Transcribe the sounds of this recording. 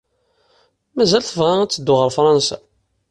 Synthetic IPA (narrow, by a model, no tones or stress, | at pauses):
mæzælθəvʁææt͡sːəd̪ːʊʁəɾfɾˤɑnsæ̰